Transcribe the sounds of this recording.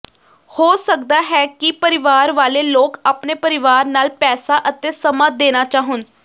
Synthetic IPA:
hoːsək̚d̪aːɦɛːkipəɾɪʋaːɾʋaːleːloːkaːpneːpəɾɪʋaːɾnaːlpɛːsaːʔət̪eːsəmaːd̪eːnaːt͡ʃaːɦʊn

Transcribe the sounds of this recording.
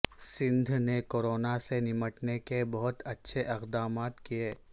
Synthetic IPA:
sɪ̃nd̪ʱnekoːɾoːnasenɪməʈnekebɐɦʊt̪ɐtːʃʰeʔɪqd̪aːmaːt̪kijeː

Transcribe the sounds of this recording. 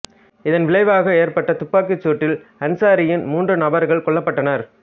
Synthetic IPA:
ɪðɐnʋɪɭɐɪʋaːɣɐeːɾpɐʈːɐt̪ʊpːaːkɯt͡ʃːuːʈːɪlɐnsaːɾɪjɪnmuːndrɯnɐbɐɾɣɐɭkɔɭːɐpːɐʈːɐnɐɾ

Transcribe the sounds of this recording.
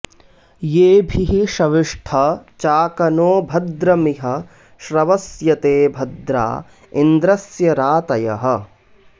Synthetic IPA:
jeːbʱiɦiʃɐʋiʂʈʰɐt͡ʃaːkɐnoːbʱɐd̪ɾɐmiɦɐ | ʃɾɐʋɐsjɐt̪eːbʱɐd̪ɾa̰ː | ind̪ɾɐsjɐɾaːt̪ɐjɐɦɐ̆

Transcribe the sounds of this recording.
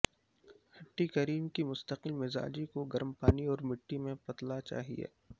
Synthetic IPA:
hɐʈːikɐɾiːmkimʊst̪əqɪlmɪza̰ːd͡ʒikoɡɐɾmpaːniɔːɾmɪʈːimẽpɐt̪lat͡ʃa̰ːɦḭḛː

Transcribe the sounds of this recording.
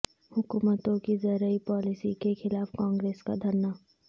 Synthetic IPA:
hʊkuːmət̪õkizɐɾəipaːlɪsikexɪlaːfkãːŋɡɾeːska̰d̪ʱɐɾnaː

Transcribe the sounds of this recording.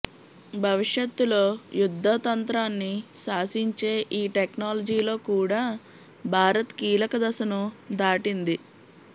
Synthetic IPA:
bʱɐʋiʂjɐt̪ːulo̞ːjud̪ʱːɐt̪ɐnt̪ɾaːnːiʃaːsiɲt͡ʃe̞ːʔiːʈeknaːlɐd͡ʒiːlo̞ːkuːɽaː | bʱaːɾɐt̪kiːlɐkɐd̪ɐsɐnud̪aːʈind̪i

